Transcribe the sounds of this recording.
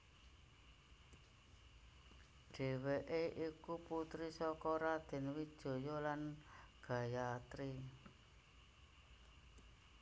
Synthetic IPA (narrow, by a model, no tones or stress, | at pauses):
ɖ̥e̤weʔeʔikuput̪ɾisɔkɔɾad̪̥e̤nwid̥ʒ̥o̤jɔlanɡ̥a̤jat̪ɾi